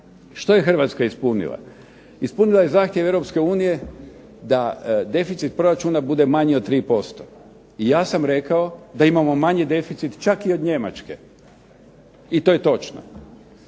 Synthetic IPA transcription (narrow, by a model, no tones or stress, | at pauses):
ʃt̪o̞je̞xr̩ʋaːt̪skaispunḭlˠa̰ | ispunilˠaje̞zaːxt̪jeʋe̞vɾo̞pske̞uːnije̞ | d̪ad̪e̞fit̪sit̪̚pɾo̞ɾat͡ʃuːnabud̪e̞maɲiod̪̚t̪ːɾiːpo̞st̪o̞̥ | ijaːsamɾe̞kaod̪aimamo̞maɲid̪e̞fit̪sit̪t͡ʃakio̞d̪ɲe̞ma̰t͡ʃke̞ | it̪oje̞t̪o̞t͡ʃno̰